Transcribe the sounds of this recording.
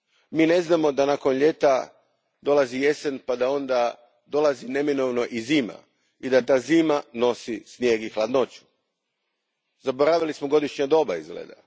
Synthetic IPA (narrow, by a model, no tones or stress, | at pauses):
miːne̞znamo̞d̪anaːko̞nʎe̞t̪a | d̪o̞lˠazije̞senpad̪ao̞nd̪a | d̪o̞lˠazine̞mino̞ʋno̞ʔiziːma̰ | id̪at̪aːziːmano̞sisnje̞ɡixlˠad̪no̞t͡ɕu̥ | zaboɾaʋilismoɡo̞d̪iʃɲad̪o̞ːbaizɡlḛːd̪a̰